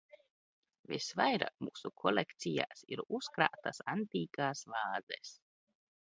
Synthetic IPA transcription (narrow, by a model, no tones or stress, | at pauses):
vḭsvajɾa̰ːkmuːsukʰɔlʲekt̪sija̰ːsiɾuskɾaːt̪asant̪iːkaːsvaːzɛs